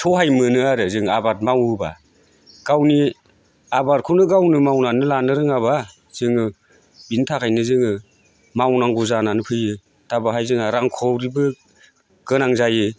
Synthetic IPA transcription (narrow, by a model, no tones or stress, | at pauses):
tʰɔɦajmɯnɯaɾɯzɯŋabat̚mawɯba̰ | ɡ̥awni | abaɾ̚kʰunɯɡawnɯmawnanɯlanɯɾɯŋaβa | z̥ɯŋɯ | bintʰakʰajnɯzɯŋɯ | mawnaŋɡuzananɯpʰɯjɯ | tabaɦajzɯŋaɾaŋkʰɔwɾibɯ | ɡ̥ɯnaŋzajɯ